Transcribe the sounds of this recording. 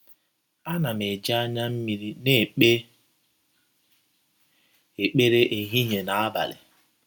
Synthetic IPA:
a˦na˨m˨e˨d͡ʒa˦a˦ɲa˦m̩˦mi˨ɾi˦ne˦˨k͡pe˦ | e˨k͡pe˦ɾe˦ʔe˨ɦi˦ɲe˨na˨a˦ba̰˨lɪ̰˨

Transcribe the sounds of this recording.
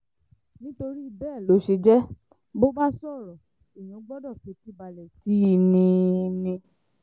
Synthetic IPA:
nĩ˦to˧ɾi˦i˧bɛː˦˨lo˨˦ʃe˧d͡ʒɛ˦ | bo˦ba˦sɔ˦˨ɾɔ˨ | i˨j̃ũ˨˦ɡ͡bɔ˦dɔ˦˨ke˨˦ti˦˨ba˧lɛ˨si˨˦i˧nĩ˧nĩ˧

